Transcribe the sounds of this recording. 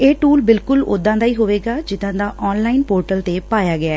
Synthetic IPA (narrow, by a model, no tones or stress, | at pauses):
eːʈuːlbɪlkʊlʊ̰d̪ãːd̪aːiːɦoːʋeːɡaːd͡ʒɪd̪ãːd̪aːʔɔːnlaːinpoːɾʈəlt̪eːpaːjaːɡɪaː